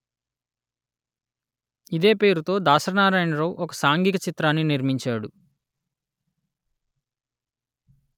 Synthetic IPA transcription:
id̪e̞ːpe̞ːɾut̪o̞ːd̪aːsɐɾɐnaːɾaːjnɐɾowʔɔkɐsaːŋɡikɐt͡ʃit̪ɾaːnːiniɾmiɲt͡ʃaːɽu

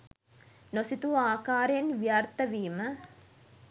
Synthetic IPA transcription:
nosit̪uaːkaːɾjɐnʋjaːɾt̪ɐʋiːmɐ

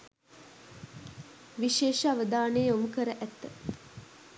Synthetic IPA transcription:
ʋiʃeːʃəaʋəd̪aːnejomukəɾəʔæt̪ːə

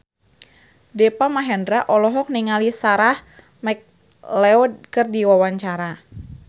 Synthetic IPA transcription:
dɛpamaɦɛndɾaʔɔlɔɦɔk̚niŋalisaɾah | mɛk̚ | lɛɔkərdiwawaɲt͡ʃaɾa

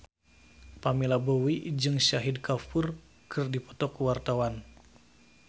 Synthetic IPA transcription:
pamilabowid͡ʒɨŋʃaɦidkafur | kʰɨrdipɔ̥t̪ɔkwart̪awan

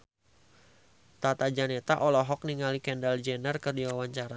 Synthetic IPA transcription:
t̪at̪ad͡ʒanet̪aʔɔlɔɦɔk̚niŋalikɛndald͡ʒɛnərkərdiwawaɲt͡ʃaɾa

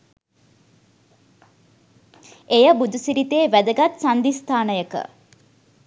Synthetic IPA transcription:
ejəbud̪usiɾit̪eːʋæd̪əɡat̪sand̪ist̪ʰaːnəjəkə̰

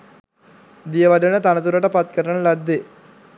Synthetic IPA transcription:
d̪ijəʋaɖənət̪anət̪uɾəʈəpat̪̚kəɾənəlad̪ːe

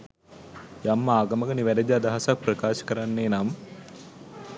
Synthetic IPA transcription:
jamːaːɡɐməɡəniʋæɾəd̪iad̪aɦasak̚prəkaːʃə̥kəɾanːeːnam

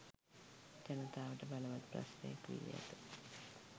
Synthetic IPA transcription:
d͡ʒanət̪aːʋəʈəbaləʋat̪̚pra̰snḛjakʋḭdḭja̰t̪ə

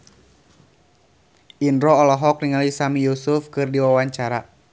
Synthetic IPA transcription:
ʔindɾɔɔlɔɦɔk̚niŋalisamijusufkɨrdiwawaɲt͡ʃaɾa

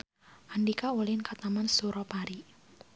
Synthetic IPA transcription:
ʔandikaulɪnkat̪amansuɾɔpaɾi

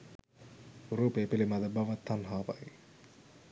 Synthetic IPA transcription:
uɾuːpeːpilimad̪əbaʋat̪ːanɦaːpa̰i

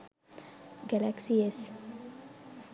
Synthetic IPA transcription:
ɡɛlɛksies

